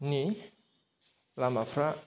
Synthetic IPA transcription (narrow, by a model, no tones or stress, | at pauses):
ni | lamafɾa